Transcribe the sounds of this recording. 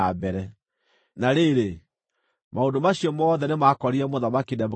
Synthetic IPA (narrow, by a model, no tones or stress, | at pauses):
abɛɾɛ | naɾeɾe | maondomaɕjɔmɔðɛnemakɔɾiɾɛmoðamakinɛm